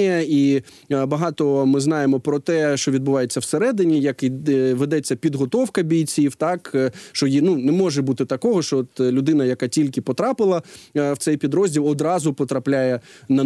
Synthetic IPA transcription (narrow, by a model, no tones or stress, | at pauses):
ijɐi | bɐɦɑt̪ɔmɪzn̪ɑjemɔpɾɔt̪ɛʃt͡ʃɔʋʲid̪bʊʋɑjet͡sʲːɐwseɾɛd̪ɪnʲijɐkʋed̪ɛt͡sʲːɐpʲid̪ɦɔt̪ɔwkɐbʲijʲt͡sʲiwt̪ɑkʃt͡ʃɔjinunɛmɔʒɛbut̪ɪt̪ɐkɔɦɔʃt͡ʃɔɔt̪lʲʊd̪ɪnɐjɐkɑtʲilʲkɪpɔt̪ɾɑpɪlˠɐwt̪sɛjpʲid̪ɾɔzʲdʲilˠɔd̪ɾɑzʊpɔt̪ɾɐplʲajɛnɐ